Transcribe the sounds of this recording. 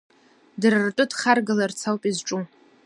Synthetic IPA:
drɨrʈ͡ʂʼʊdχarɡalart͡sʰawpʼizʈ͡ʂʼu

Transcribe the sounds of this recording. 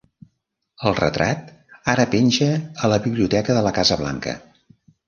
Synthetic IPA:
əlˠrə̰t̪ɾʔat̪aɾəpenʲʒəːləβiβliut̪ɛkəðələkazəβla̰ŋkə̰

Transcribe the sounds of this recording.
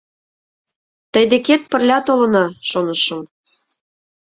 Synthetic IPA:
t̪əjd̪eket̪̚pə̆rlʲɑt̪olɤ̆nɑʃonɤ̆ʃɤ̆m

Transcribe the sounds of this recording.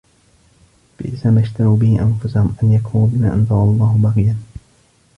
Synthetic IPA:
bɪ̰ʔɪzaːmaʃt̪aɾuːbɪhiʔanfʊsahʊmʔanjakʰuːnubɪmaːʔɑnzˤɑɾˤɑlˤːɑːhʊbɑqɪjan

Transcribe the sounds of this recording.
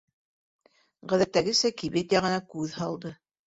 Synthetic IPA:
ʁæðæt̪ːæɡɘ̆sækiβet̪jæʁɤ̆nɑkʉðhɑlˠd̪ɤ

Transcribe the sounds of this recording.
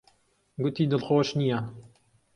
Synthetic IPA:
ɡʊt̪ʰiːd̪ɨlxoːʃnija

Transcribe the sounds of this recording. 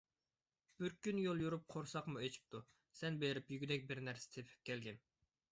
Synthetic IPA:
b̥yɾkʲynjolˠjuɾup̚qʰoɾsɑqmuet͡ʃʰi̥p̚t̪ʰu | sɛnbeɾɪpjyɡʲd̪ɛk̚ʲbɪɾnæɾse̥t̪ʰepʰɪ̥p̚kʲʰɛlɡʲɛn

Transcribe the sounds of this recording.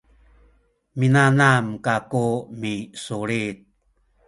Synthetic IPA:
minanamkakumisuɭit̪̚

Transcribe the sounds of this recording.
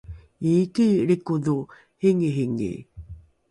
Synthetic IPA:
iːkiɾikudu | hiŋiɦiŋḭ

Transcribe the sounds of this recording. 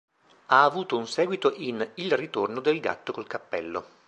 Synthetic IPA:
aːvuːt̪ounsɛːɡwit̪oʔinilrit̪ornod̪elɡa̰t̪ːokolkapːɛ̰lːo

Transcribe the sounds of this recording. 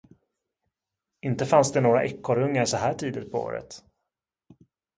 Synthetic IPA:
ɪnt̪əfansd̪ɛnoːɡɾa̰ʔɛkːɔɾɵŋːaɾsɔɦæːʈʰiːd̪ət̪̚pʰɔo̰ːɾə̰t̪

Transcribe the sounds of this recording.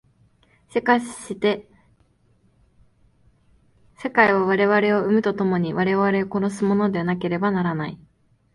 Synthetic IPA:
se̞kaɕɕit̪e̞ | se̞kaiβ̞aβ̞aɾe̞βaɾe̞o̞ɯ̟mɯ̟t̪o̞t̪o̞mo̞ɲ̟iβaɾe̞βaɾe̞oko̞ɾo̞s̬ɨmo̞no̞d̪e̞βanake̞ɾe̞banaɾanai

